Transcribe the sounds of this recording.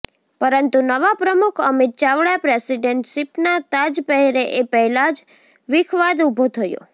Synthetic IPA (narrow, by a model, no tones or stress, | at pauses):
pəɾənt̪unəʋapɾəmukʰəmit̪̚t͡ʃaʋɽapɾesiɖeɳʈʃipnat̪ad͡ʒpəɦɛɾeʔepəɦɛlad͡ʒ | ʋɪkʰʋad̪ubʱot̪ʰəjo̰